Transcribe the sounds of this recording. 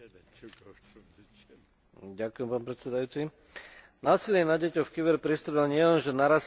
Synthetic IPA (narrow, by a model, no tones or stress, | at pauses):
ɟakʊjɛmpaːnpɾɛt̪sɛd̪ajuːt͡si | naːsilɪɛnaɟɛcɔfkibɛɾpɾist̪ɾɔlaɲɪɛlɛnʒɛnaɾas